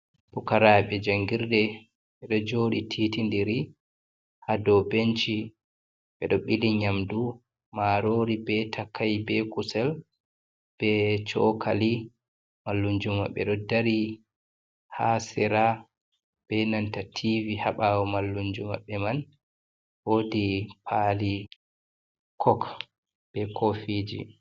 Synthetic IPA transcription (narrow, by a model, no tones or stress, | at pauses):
pukaɾaɓɛd͡ʒaŋɡiɾdɛ | ɓɛɗɔd͡ʒoːɗitʰitindiɾi | hadɔbent͡ʃi | ɓɛɗɔɓiliɲamdu | maɾoːɾibɛtʰakʰːajbɛkusɛl | b̥ɛt͡ʃɔkʰali | malːuɲd͡ʒuma̰ɓɛ̰ɗɔdaɾi | hasɛɾa | b̥ɛnantatʰivihaɓawɔmalːuɲd͡ʒuma̰ɓːɛman | woːdipʰali | kʰɔk | b̥ɛkʰofid͡ʒḭ